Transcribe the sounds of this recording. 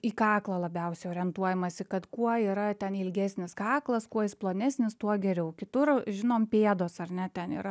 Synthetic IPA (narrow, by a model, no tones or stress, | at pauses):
iːkɑːklˠɐːlˠɐbʲɛʊsʲɛɪoːɾʲiɛnt̪uɔjɛmɐsʲɪkɐt̪kuɔiːɾɐt̪ʲɛnɪlʲɡʲæːsʲnʲɪskɑːklˠɐskuɔɪsplˠoːnʲæːsʲnʲɪst̪uɔɡʲɛɾʲɛʊkʲɪt̪ʊrʒʲɪnoːmpʲeːd̪oːsɐrnʲɛt̪ʲɛnḭːɾɐ